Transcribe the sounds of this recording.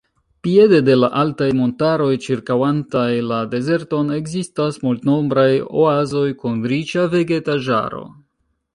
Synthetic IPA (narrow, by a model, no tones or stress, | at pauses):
pie̞de̞de̞laʔaltajmo̞ntaɾo̞jt͡ʃiɾkawantajlade̞ze̞ɾto̞ne̞ɡzistasmultno̞mbɾajo̰azo̞jkunɾit͡ʃave̞ɡe̞taʒa̰ɾo̞̰